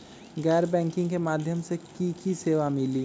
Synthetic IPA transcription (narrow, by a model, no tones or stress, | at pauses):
ɡɛːɾbɛ̃ːŋkɪ̃ŋɡkemaːd̪ʱjəmsekikiseːʋamɪliː